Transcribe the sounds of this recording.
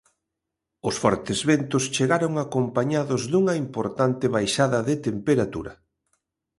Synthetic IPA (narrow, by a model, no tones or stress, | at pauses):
ʊsfɔɾt̪ɪzβent̪ʊst͡ʃeɣaɾoŋakompaɲaðʊzðuŋɐimpoɾt̪ant̪ɪβajʃaðɐðɪt̪empeɾat̪ṵɾɐ